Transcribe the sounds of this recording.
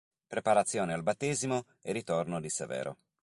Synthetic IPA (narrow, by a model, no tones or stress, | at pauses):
pɾepaɾat̪sːjoːnealbat̪ːeːzimo | erit̪ornod̪isḛvɛ̰ːɾo̰